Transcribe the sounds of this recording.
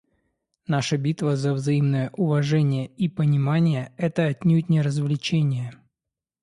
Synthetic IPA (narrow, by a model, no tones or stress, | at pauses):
naʂəbʲit̪vəzəvzɐimnəjəʔʊvɐʐɛnʲɪjəipənʲɪmanʲɪjəɛt̪əɐtʲnʲutʲnʲɪɾəzvlʲɪt͡ɕenʲɪjə